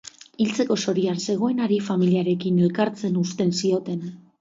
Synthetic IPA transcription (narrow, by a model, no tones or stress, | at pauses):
ilt͡se̞ko̞so̞ɾianse̞ɣ̞o̞enaɾifamiliaɾe̞kine̞lkaɾt͡se̞nust̪e̞nsio̞t̪e̞n